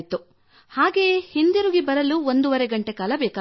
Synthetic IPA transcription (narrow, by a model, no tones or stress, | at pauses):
t̪u | haːɡe̞ːhind̪iɾuɡibɐɾɐluond̪uʋɐɾeɡɐɳʈe̞kaːlɐbɛːka